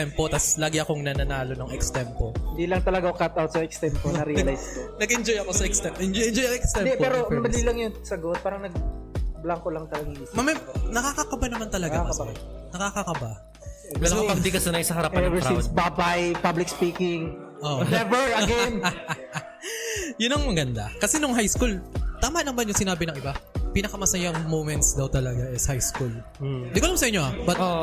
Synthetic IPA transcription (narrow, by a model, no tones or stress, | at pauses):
ɛmpot̪ɐslaːɡɪɐkoŋnɐnɐnaːlo̞noŋɛkst̪ɛmpohɪnd̪iːlɐŋt̪ɐlɐɡaokat̪ʔawt̪̚sɐɛkst̪ɛmponɐɾilajskonɐɡʔɛnd͡ʒojɐko̞sɐʔɛkst̪ɛmpʔɛnd͡ʒojɛnd͡ʒojɐŋɛkst̪ɛmd̪ɛpɛɾomɐlilɐŋjʊŋsɐɡot̪̚paːɾɐŋnɐɡ̚blaŋkolɐŋt̪ɐlɐɡamɐmɛnɐkakɐkɐbanɐmant̪ɐlɐɡamɐ | nɐkakɐkɐba | lopɐɡ̪ikɐsʊnajsɐhɐɾɐpaɛɛvɛsinsbabɐjpablɪkspiːkɪŋ | ʔoʔnɛvɛɹɐɡɛn | jʊnɐŋmɐɡɐnd̪akɐsɛnʊŋɦajskult̪aːmaʔnɐmɐnjʊŋsɪnaːbɪnɐŋʔɪbapinɐkɐmɐsɐjaŋmowmɛnt̪sd̪ɐwt̪ɐlɐɡaɛsɐhajskul | d̪ɪkoʔlamsɐʔɪɲːoabɐt̪o